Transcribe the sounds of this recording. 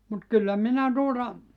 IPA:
mut kylːæ minæ tuotɑ

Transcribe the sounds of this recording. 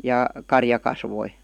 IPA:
jɑˑ kɑrjɑ kɑsʋoi

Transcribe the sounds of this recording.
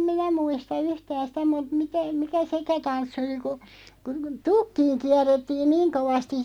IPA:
minæ muistɑ yhtæn̞ sĭtæ mut mitæ mikæ sekæ tɑnsːĭ oli ku ku tukːiːŋ kiærˑetːiːn niːŋ koʋɑstis

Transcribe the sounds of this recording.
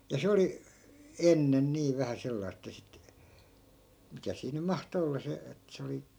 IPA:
jɑ se oli enːen niː ʋæhæ selːɑis ĕtːæ sit mikæ siː nym̆ mɑhto olːɑ se et se oli

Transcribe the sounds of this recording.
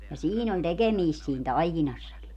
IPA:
jɑ siːn on tekemiːst siːn tɑikinɑsːɑki

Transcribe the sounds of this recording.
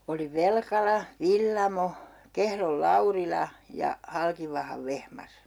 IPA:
oli ʋelkɑlɑ ʋilːɑmo kehrol lɑurilɑ jɑ hɑlkiʋɑhɑʋ ʋehmɑs

